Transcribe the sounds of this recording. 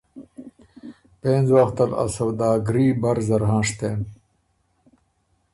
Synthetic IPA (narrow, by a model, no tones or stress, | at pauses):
pẽːnzwaxt̪ala̰sɐwd̪aːɡɾiːbɐɾzɐɾɦɑ̃ːʂt̪eːm